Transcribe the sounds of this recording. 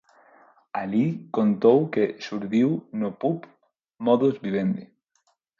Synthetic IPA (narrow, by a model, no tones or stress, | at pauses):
alikont̪owkesuɾðiwnopup | mɔðozβiβend̪i